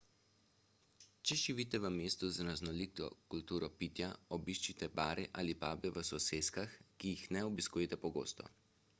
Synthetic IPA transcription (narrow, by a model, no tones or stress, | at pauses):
t͡ʃɛʒiʋit̪ɛʋəmeːst̪uzɾaznɔlikt̪ɔ̰kult̪uːɾɔpit̪jaɔbiʃt͡ʃit̪ɛbaːɾʔɛʔa̰ːlipaːbɛʋəsɔseːskaxkijixnɛɔbiskuːjɛt̪ɛpɔɡo̰ːst̪ɔ̰